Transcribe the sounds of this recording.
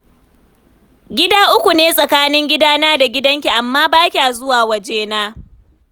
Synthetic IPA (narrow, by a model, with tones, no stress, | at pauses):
ɡʲɪ˦daː˦ʔʊ˦kʷu˨neː˦sʼɐ˨kaː˦nɪ˦ŋɡʲɪ˦daː˦naː˦da˨ɡʲɪ˦dɐ˦ŋkʲi˨ʔa˨mːaː˦baː˦kʲa˨a˨zʊ˦waː˨wɐ˨d͡ʒeː˦naː˦